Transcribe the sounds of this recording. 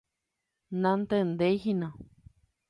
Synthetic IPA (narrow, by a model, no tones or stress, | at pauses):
nãnt̪end̪ejɦinã